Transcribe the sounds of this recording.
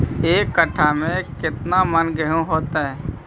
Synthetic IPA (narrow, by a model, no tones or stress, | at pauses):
eːkːəʈʰamẽkɪt̪namənɡəɦõɦoːt̪aɦɛː